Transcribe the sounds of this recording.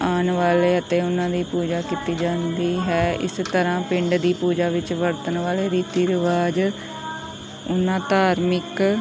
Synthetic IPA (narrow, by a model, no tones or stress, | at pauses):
aːnʋaːleːət̪ẽːʊnãːd̪iːpuːd͡ʒaːkiːt̪iːd͡ʒãːnd̪iːɦɛːɪ̰st̪əɾãːpɪ̃ɳɖd̪iːpuːd͡ʒaːʋɪt͡ʃʋəɾt̪ənʋaːleːɾiːt̪iːɾɪʋaːd͡ʒ | ʊnãːt̪aːɾmɪk